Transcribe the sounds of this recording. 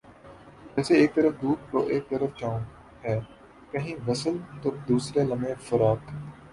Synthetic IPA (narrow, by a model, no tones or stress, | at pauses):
d͡ʒɛːseeːk̚t̪əɾəfd̪uːʈ̚ɾo̰ːʔeːk̚t̪əɾəft͡ʃaːõː | ɦɛː | kɐɦĩʋɐsəlt̪oːd̪uːsɾelɐmẽfɐɾaːk